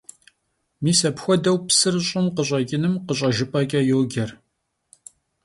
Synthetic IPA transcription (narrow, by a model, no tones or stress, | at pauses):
miːsɐpxʷɔdɐwpsɨrɕʼɪmqəɕʷʼɐkʲʼɪnɨmqəɕ̬ʷʼɐʒɪpʼɐkʼɐjoːɡʲɐr